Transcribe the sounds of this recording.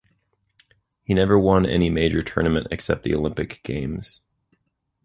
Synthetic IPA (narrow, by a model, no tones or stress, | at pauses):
hinɛvə˞wʌ̃nɛ̰nimeɪd͡ʒə˞tʰɜ̰˞nɨmɨ̃ntɨ̰ksɛp̪̚ðḭolɪ̃mpɨkɡ̥ḛ̃ɪ̃mz̥